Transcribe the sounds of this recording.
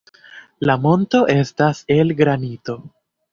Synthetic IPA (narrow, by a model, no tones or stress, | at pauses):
lamo̞nto̞ʔe̞stase̞lɡɾanito̞